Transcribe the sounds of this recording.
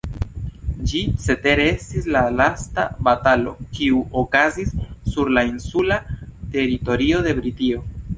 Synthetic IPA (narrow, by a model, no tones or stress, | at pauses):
d͡ʒit͡se̞te̞ɾestislalasta̰batalo̞̰kiuʔo̞kazisːuɾlainsulate̞ɾito̞ɾio̞de̞bɾitio̞